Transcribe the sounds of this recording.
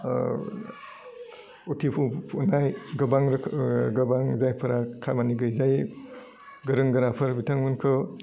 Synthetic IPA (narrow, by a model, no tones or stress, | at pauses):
utʰipʰuunajɡɐbaŋɾkʰɡɐbaŋzajpʰɐɾakʰamaniɡɯjzaj | ɡɐɾɯŋɡɐɾapʰɯɾbitʰaŋmɯnkʰɯ